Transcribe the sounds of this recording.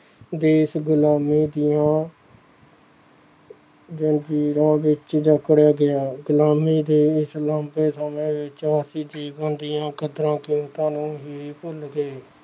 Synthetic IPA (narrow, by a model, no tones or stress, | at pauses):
d̪eːɪsɡʊlaːmiːd̪ɪːjãː | d͡ʒənd͡ʒiːɾãːʋɪt͡ʃd͡ʒəkɽjaːɡɪjaːɡʊlaːmiːd̪eːɪslãːmpeːsəmẽːʋɪt͡ʃaːsiːd͡ʒiːɡãːnd̪iːãːkəd̪ɾãːkɪũːt̪aːnũːɦiiːpʊlɡeː